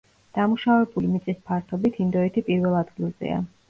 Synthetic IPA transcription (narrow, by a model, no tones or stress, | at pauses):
d̪̥amuʃavɛbulimit̪sʼispʰaɾt̪ʰɔbit̪ʰind̪ɔɛt̪ʰipʼiɾvɛlˠad̪ɡilˠzɛ̰a̰